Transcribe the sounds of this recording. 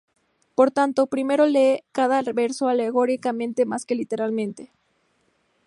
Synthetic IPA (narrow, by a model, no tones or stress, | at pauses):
po̞ɾt̪ant̪o̞pɾime̞ɾo̞le̞kaðaβe̞ɾso̞ale̞ɣoɾikamẽ̞nt̪e̞maske̞lit̪e̞ɾalmẽ̞nt̪e̞